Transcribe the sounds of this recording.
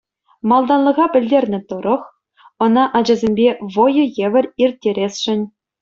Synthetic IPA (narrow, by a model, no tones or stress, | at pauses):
mɑlˠd̪ɑnlˠɤ̆ʁɑpʲɘ̆lʲdʲerʲnʲɘ̆t̪ɤ̆ɾɤ̆χ | ɤ̆nɑʔɑd͡ʑɑzʲemʲbʲeʋojɤ̆jeʋʲɘ̆rʲirʲtʲːeɾʲesʲʂɘ̆nʲ